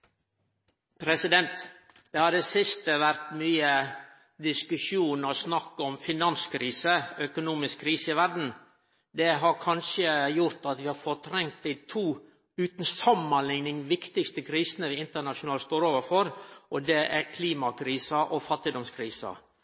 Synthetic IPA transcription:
pʰɾɛsɪd̪ɛnt̪ | d̪̥ɛhɑɖ̪ɛsɪst̪əʋæɾt̪myːə | d̪ɪskʉʂuːnɔsnɑkːəɔmfɪnɑnskʰɾiːsəœkʊnuːmɪskkʰɾiːsəɪʋæɾd̪n̩ | d̪ɛɦɑɾkʰɑnʂəjʊɾt̪ɑt̪ʋɪhɑɾfɔɾt̪ʰɾɛŋt̪̚d̪iɪt̪ʰuː | ʉːt̪n̩sɑmːənlɪŋnɪŋʋɪkt̪ɪkst̪əkʰɾiːsənəʋɪɪnt̪əɳɑʃʊnɑːlst̪oːɾoːʋəɾfɔɾʔɔd̪ɛʔæɾkʰliːmɑkʰɾiːsɑʔɔfɑt̪ːɪd̪ɔmskʰɾiːsɑ̰

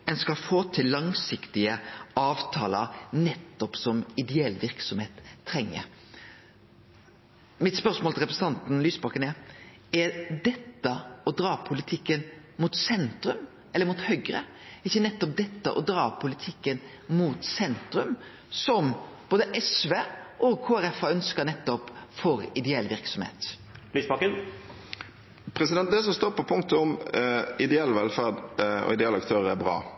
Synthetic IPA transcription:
ɛnskɑfoːt̪ʰɪlːɑŋsɪkt̪ɪəɑːʋt̪ʰɑ̰ːlə̰ɾnɛt̪ːɔpsɔmɪd̪ɛɛlʋɪɾksɔmheːt̪ʰːɾɛŋːə̰ɾ | mɪt̪spœɾsmoːlt̪ɪlɾɛpɾəsəɑnt̪n̩lyːsbɑkənɛ | ɛɾd̪ɛt̪ːəɔd̪ɾɑːpʰʊlɪt̪ʰɪkːən | mut̪sɛnt̪ɾʉm | ɛlːəɾmuːt̪hœɡɾə | ɪçːənɛt̪ːɔp̚d̪ɛt̪ːə̰ʔɔd̪ɾɑːpʰʊlɪt̪ʰɪkːən | muːt̪sɛnt̪ɾʉm | sɔmb̥oːd̪əʔɛsʋeːʔɔkʰoːæɾɛfɑœnskənɛt̪ːɔpfɔɾɪd̪ɛɛlːʋɪɾksɔmhḛːt̪ | liːsbɑkən | pʰɾɛsɪd̪ɛnt̪d̪ɛsɔmst̪oːpɔpʰʊŋkt̪əɔmɪd̪ɛɛlʋɛlfæʁd̪ɔ̰ɪd̪ɛɛlɑkt̪ʰøːʁəɾæbʁɑ̰ː

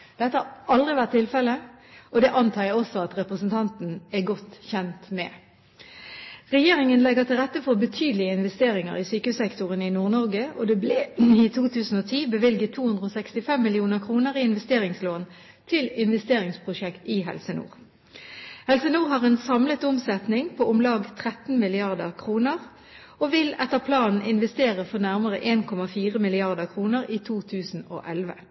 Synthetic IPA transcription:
d̪̥ɛt̪əhɑɑld̪ʁɪʋæʁt̪ʰːɪlfɛləʔɔd̪ɛʔɑnt̪ʰɑːəɔsːɔɑt̪ʁɛpʁəsnt̪ʰɑnt̪n̩æɡɔt̪çɛnt̪mɛ̰ | ʁɛjeːʁɪŋənlɛɡət̪ʰɪlʁɛt̪ːəfɔʁbət̪ʰyːd̪əlɪəɪnʋɛst̪eːɾɪŋə̰ʁɪsyːkəhʉsɛkt̪ʊʁənɪnuːʁnɔʁɡəo̰d̪ɛblɛɪt̪ʰuːt̪ʰʉːsn̩oːt̪ʰiːbəʋɪlɡət̪ʰːuːhʉnd̪ʁəɔːsɛkst̪ɪfɛmːɪlɪuːnəʁkʰʁuːnəʁɪɪnʋɛst̪eːʁɪŋsloːn | t̪ʰɪlɪnʋɛst̪eːʁɪŋspʰʁʊʃɛkt̪ɪɦɛ̰lsənṵːʁ | hɛlsənuːʁɦɑːʁɛːnsɑmlət̪ʊmsɛt̪nɪŋpʰoʔʊmlɑːɡt̪ʰʁɛt̪n̩mɪlɪɑʁd̪əʁkʰʁuːnəʁ | oʋɪlɛt̪ːəʁpʰlɑːnn̩ɪnʋɛst̪eːʁəfɔʁnæʁməʁə̰ʔeːnkʰɔmɑfiːʁəmɪlɪɑʁd̪əʁkʰʁuːnəʁiːt̪ʰuːt̪ʰʉːsn̩o̰ːʔɛlʋə̰

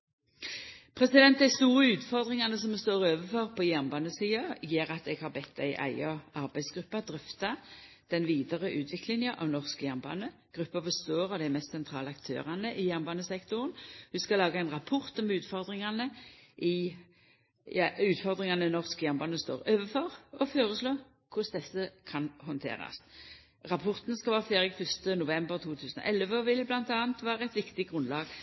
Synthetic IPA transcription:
pʰʁɛsɪd̪ɛnt̪ːæɪst̪uːʁəʉːt̪fɔʁd̪ʁɪŋɑnəsɔmɛst̪oːʁøːʋəfɔʁpʰɔjæʁnbɑːnəsiːɑjeːʁɑt̪ɛɡhɑʁbɛt̪ːæɪʔæ̰ɪəɑʁbæɪsɡʁʉpːɑd̪ʁʏft̪ɑ | d̪̥ɛnʋiːd̪əʁəʔʉːt̪ʰʋɪklɪŋjəʔɑ̰ːʋnɔʁskəjæʁnbɑ̰ːnə | ɡ̥ʁʉpːɑfɔst̪oːʁɔd̪ææmɛst̪sɛnt̪ʰʁɑːləɑkt̪ʰø̰ːʁɑnəʔɪjæʁnbɑːnəsɛkt̪ʊʁənhʉskɑlɑːɡəæɛɪnʁɑpʰɔʁt̪ɔmʉːt̪fɔʁd̪ʁɪŋɑnəʔɪ | ʉːt̪fɔʁd̪ʁɪŋɑnənɔʁskjæʁnbɑːnəst̪o̰ːʁøːʋəfɔʁɔføːʁəsloː | kʰʊsd̪ɛsːəkʰɑnhɔnt̪ʰḛːʁɑ̰s | ʁɑpʰɔʁt̪nskɑlʋɑːʁfeːʁɪkfœst̪ənʊʋɛmbəʁt̪ʰuːt̪ʰʉːsənɔ̰ʔɛlʋəɔʋɪlblɑnt̪ɑːənt̪ʋɑːʁəɛt̪ʋɪkt̪ɪɡʁʉnlɑːɡ̥

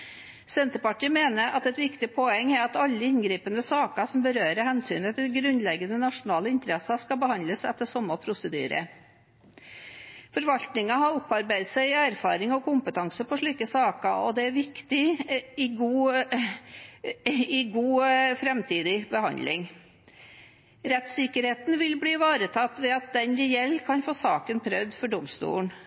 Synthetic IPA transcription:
sɛnt̪əpɑʈʰiːəmeːnəɾʔɑt̪ɛt̪ʋɪkt̪ɪpʰɔɛŋːæɾɑt̪ɑlːəɪnɡɾiːpənd̪əsɑːkəsɔmbəɾøːɾəhɛnsyːnət̪ʰɪlɡɾʉnlɛɡənənɑʂʊnɑːləɪnt̪əɾɛsɑskɑbəhɑnləsɛ̰t̪ːəʂɔmːəpʰɾʊsəd̪y̰ːɾə̰ | fɔɾʋɑlt̪nɪŋɑhɑɾʊpːɑɾbæɪd̪sæɪɪæɾfɑ̰ːɾɪŋɔkʰʊmpət̪ʰɑŋsəpɔʂɭiːkəsɑːkəɔ̰d̪ɛæɾʋɪkt̪ɪɪɡuː | ɪɡuːfɾɛmt̪ʰiːd̪ɪbəhɑ̰nd̪lɪ̰ŋ | ɾɛt̪sɪkəɾheːt̪n̩ʋɪlbliːʋɑːɾət̪ʰɑt̪ːʋɛɑt̪̚d̪ɛnɾɛjɛlːkʰɑnfoːsɑːkənpʰɾœʋd̪fɔɖʊmst̪ṵːɳ

